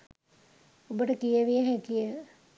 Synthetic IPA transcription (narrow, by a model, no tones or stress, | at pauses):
obəʈəkijəʋijəɦɛ̃kijə